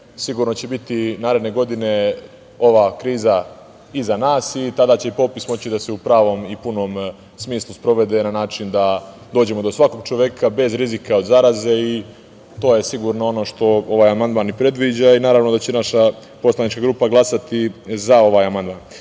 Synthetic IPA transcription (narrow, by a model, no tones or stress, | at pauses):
siɡuɾno̞t͡ɕe̞bit̪inaːɾed̪ne̞ɡo̞d̪ine̞ | o̞ʋakɾiːza | izanaːsit̪ad̪aːt͡ɕe̞ipo̞pismo̞t͡ɕid̪aseupɾaːʋo̞mipuno̞ːm | smiːslˠuspɾo̞ʋe̞d̪e̞nanaːt͡ʃind̪a | d̪o̞ːd͡ʑe̞mo̞d̪o̞sʋako̞ɡ̚t͡ʃoʋje̞kʰabe̞zɾizikaod̪zaɾaze̞i | t̪o̞ːje̞siɡuːɾnoo̞no̞ʃt̪o̞o̞ʋaːjamand̪manipɾe̞d̪ʋid͡ʑainaːɾaʋnod̪at͡ɕenaʃa | po̞slˠanit͡ʃkaɡɾupaɡlˠasat̪izao̞ʋaːjamand̪̚man